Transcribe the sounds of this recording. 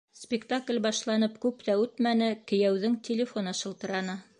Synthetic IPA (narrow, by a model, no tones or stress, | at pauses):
spʲɪkt̪aklʲbɑʃlˠɑnɤpkʉpt̪æʉt̪mænɘkɘ̆jæwðɘŋt̪ʲɪlʲɪfonɑʃɤ̆lˠt̪ɤ̆ɾɑnɤ